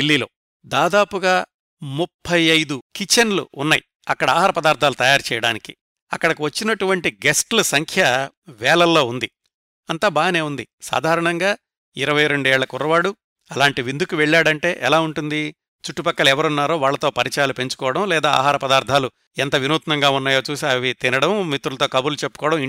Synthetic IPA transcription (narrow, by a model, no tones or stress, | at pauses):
ilːiːlo̰ː | d̪aːd̪aːpuɡaː | mupʰːɐjɐjd̪ukit͡ʃːɐnlṵunːaji | ɐkːɐɽɐaːɦaːɾɐpɐd̪aːɾd̪ʱaːlut̪ɐjaːɾut͡ʃɛjɐɽaːnikḭ | ɐkːɐɽɐkiʋɐt͡ʃːinɐʈuʋɐɳʈiɡesʈlɐsɐŋkʰjɐʋɛːlɐlːo̞ːund̪i | ɐnt̪aːbaːɐne̞ːund̪isa̰ːd̪ʱaːɾɐɳɐŋɡaː | iɾɐʋɐjɾe̞ɳɖuɛːɭːɐkurːɐʋaːɽu | ɐlaːɳʈiʋind̪ʱukuʋeɭːaːɽɐɳʈe̞ːʔɛlaːuɳʈund̪i | t͡ʃuʈːupɐkːɐluɛʋɐɾunːaːɾo̞ːʋaːɭːɐt̪oːpɐɾit͡ʃɐjaːlupe̞ɲt͡ʃu̥kɔːʋɐɽɐmlɛːd̪aːa̰ːɦaːɾɐpɐd̪aːɾd̪ʱaːlu | ɛnt̪ɐʋinuːt̪nɐŋɡaːunːaːjo̞ːt͡ʃuːsiɐʋit̪inɐɽɐmmit̪ːɾulɐt̪oːkɐbulut͡ʃe̞pːukɔːɽɐ̃miɳ